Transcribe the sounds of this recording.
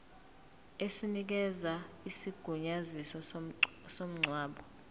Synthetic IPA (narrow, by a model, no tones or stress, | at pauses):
esinik̬ɛza | isiɡ̥ʱuɲazisɔ | som̩ŋ͡ǀʱwaːɓɔ